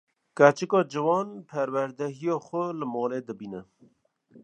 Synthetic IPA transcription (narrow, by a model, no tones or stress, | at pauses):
kæt͡ʃɨkɑːd͡ʒɨwɑːnpʰæɾwæɾd̪ɛɦijɑːxʷʊləmɑːleːd̪ɨbiːnɛ